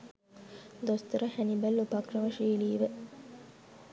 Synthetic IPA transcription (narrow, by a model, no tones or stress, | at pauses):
d̪ost̪uɾɐhænibælːupakrɐʋɐʃiːliːʋe